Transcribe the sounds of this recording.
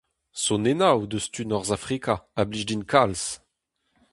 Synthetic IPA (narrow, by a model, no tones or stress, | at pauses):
sɔnenawd̪əst̪ynɔʁzafχikaabliʒd̪inkʰals